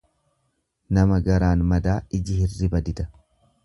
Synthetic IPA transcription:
nɐmɐɡɐɾaːnmɐd̪aːɪd͡ʒɪhɪrːɪbɐd̪ɪt̪ɐ̥

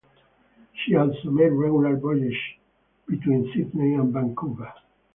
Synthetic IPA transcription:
ʃiɔlsomedɹɛɡulalbɔliʃ | b̥it̪wĩnsitniæ̃nbãŋkʰuva

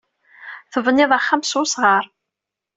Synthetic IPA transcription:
θəvənːɪðˤaχːamsusʁəɾˤ

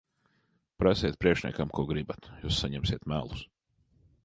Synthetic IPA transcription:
pɾasʲiɛt̪̚pɾiɛkʃnʲɛ̰kamkuɔɡɾibat̪juːsːaɲɛmsʲiɛt̪mælˠus

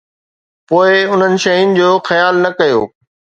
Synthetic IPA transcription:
poːɪʊn̤ənɪ̆ʃɐɦinɪ̆d͡ʑoːxɐjaːlnɐkɐjo̰ː

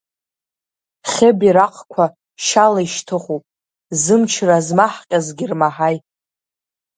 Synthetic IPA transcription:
χʲebiɾaqʰʼkʷʰa | ʃalaiʃtʰɨχupʼ | zɨmt͡ʃʰrazmaħqʲʼazɡʲirmaħajtʼ

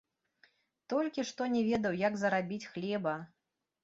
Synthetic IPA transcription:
t̪ɔlʲkʲiʂt̪ɔnʲɛvʲɛd̪ɐwjaɡzɐɾabʲit͡sʲxlʲɛbɐ

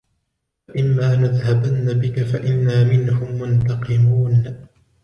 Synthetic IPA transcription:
faʔɪmːaːnaðhabanːabɪkafaʔɪnːaːmɪnhʊmːʊnt̪ɑqɪmuːn

